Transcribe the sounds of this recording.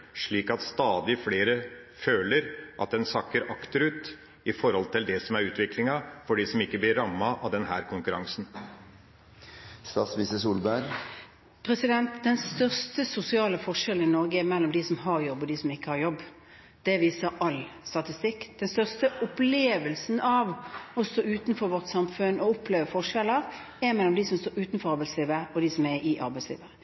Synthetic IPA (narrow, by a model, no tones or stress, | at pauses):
ʂɭiːkɑt̪st̪ɑːd̪ɪfleːɾə | føːləɾʔɑ̰t̪̚d̪ɛnsɑkːəɾɑkt̪əɾʉːt̪ | ɪfɔɾhɔlt̪ʰɪld̪ɛsɔmæɾʉːt̪ʋɪklɪŋɑfɔɖisɔmɪkːəblɪɾːɑmːɑʔɑʋd̪ɛnɦæːɾkʰʊŋkʉɾɑŋsn̩ | st̪ɑ̰ːsmisəsuːlbæɾ | pʰɾɛsɪd̪ɛnt̪d̪ɛnst̪œʁst̪əsʊsɪɑːləfɔʂɛlənɪnɔʁɡəɛmɛlːɔmd̪ɪsɔmɦɑʁjɔbːɔd̪ɪsɔmɪkːəhɑʁjɔbː | d̪̥ɛʋiːsəɾɑlst̪ɑt̪ɪst̪ɪkːd̪̥ɛnst̪œʁst̪əʔʊpleːʋəlsnɑʋɔst̪oːʉːt̪nfɔɾʋɔʁt̪sɑmfʉnɔʊpʰleːʋəfɔʁʂɛləʁ | ɛɾmɛlːɔmd̪isɔmst̪oːʉːt̪nfɔɾɑɾbæɪsliːʋəɔd̪isɔmɛɪʔɑɾbæɪslḭːʋəʁə